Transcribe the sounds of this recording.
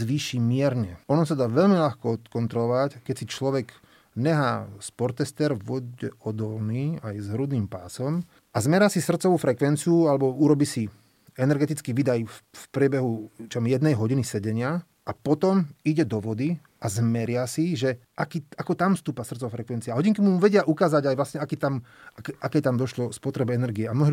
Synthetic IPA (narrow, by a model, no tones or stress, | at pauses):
zʋiːʃimɪɛɾɲɛɔnɔsad̪aːʋɛʎmiʎaxkɔɔt̪kɔnt̪ɾɔlɔʋackɛcsit͡ʃlɔʋɛɡ | ɲɛɦa̰ːspɔɾt̪ɛst̪ɛɾʋɔɟɛɔd̪ɔlniːajzɦɾud̪niːmpa̰ːsɔm | azmɛɾɪasisr̩t̪t͡sɔʋuːfɾɛkʋɛnt͡siualɛbɔuɾɔbiːsi | ɛnɛɾɡɛt̪it͡skiːʋid̪ajfpɾɪɛbɛɦut͡ʃamjɛd̪nɛjɦɔɟinisɛɟɛɲɪa | apɔt̪ɔmiɟɛd̪ɔʋɔd̪i | azmɛɾɪasiʒɛʔakiːakɔt̪amfst̪uːpasr̩t̪t͡sɔʋafɾɛkʋɛnt͡siaɦɔɟiŋkimumuʋɛɟɪaʔukaːzaɟajʋlasɲɛakiːt̪am | akɛʔakɛjt̪amd̪ɔʃlɔspɔt̪ɾɛbɛɛnɛɾɡiɛamnɔɦi